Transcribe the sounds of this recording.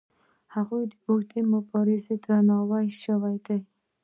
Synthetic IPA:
haɣujd̪əʊɡd̪emʊbɑɾɪzed̪ɾanɑwajʃawajd̪aj

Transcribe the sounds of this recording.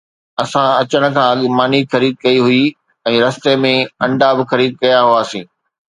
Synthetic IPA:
ɐsãɐt͡ɕəɽ̃̆kʰãːɐɠmaːnixɐɾiːd̪̚kɐiɦʊi | ɛ̃ːɾɐst̪emẽɐ̃ɳɖabɪxɐɾiːd̪̚kɐjaɦʊaːsĩː

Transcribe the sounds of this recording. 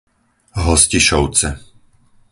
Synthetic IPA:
ɦɔsciʃɔʊt͡sɛ

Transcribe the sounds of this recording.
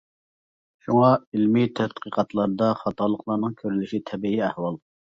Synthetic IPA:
ʃuŋɑilmit̪ʰæd̪qəqɑt̪lˠɑɾd̪ɑχɑt̪ɑlˠːəqlˠɑɾnɨŋkʲʰøɾylyʃit̪ʰɛbiiɛhwɑlˠ

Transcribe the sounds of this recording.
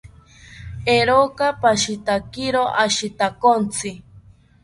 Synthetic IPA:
eɾokapaʃit̪akiɾoʔaʃit̪akont͡sʰi

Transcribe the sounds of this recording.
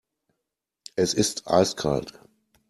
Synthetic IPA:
ʔɛsɪstʔa̰ɪskʰa̰lt

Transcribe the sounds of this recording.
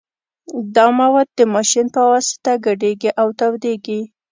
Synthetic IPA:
d̪ɑmawad̪̚ːəmɑʃinpəwɑsɪ̥t̪aɡaɖeɡiʔawt̪awd̪eɡi

